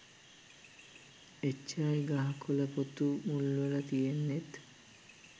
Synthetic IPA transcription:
et͡ʃːajɡɐɦɐkʰolɐpot̪umulːolɐt̪ijenːet̪

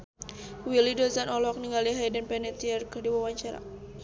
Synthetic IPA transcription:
wilidɔzanʔɔlɔk̚niŋɡaliɦajdənpɛnɛt̪iɛrkərdiwawaɲt͡ʃaɾa̰

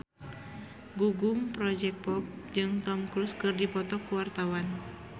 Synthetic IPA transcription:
ɡuɡumpɾɔd͡ʒɛk̚pɔp̚d͡ʒɨŋt̪ɔmkɾuskɨrdipɔt̪ɔkuwart̪awan

